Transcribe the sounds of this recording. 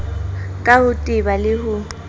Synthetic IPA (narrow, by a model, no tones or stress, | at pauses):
kʼahʊtʼɪbalɪhʊ